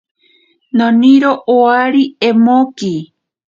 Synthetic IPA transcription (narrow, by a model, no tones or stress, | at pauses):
nõniɾoʔoaɾiemoki